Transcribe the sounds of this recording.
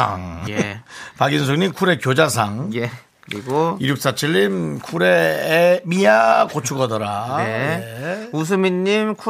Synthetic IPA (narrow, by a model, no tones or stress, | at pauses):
a̰ŋjpaɡins̬ʰoŋɲimkʰuɾe̞kjod͡ʑas̬ʰaŋje | kɯɾiɡoiɾjuk̚s͈at͡ɕʰiʎːimkʰuɾeːmijakot͡ɕʰuɡʌdʌɾaeeus̬ʰɯmiɲːimkʰ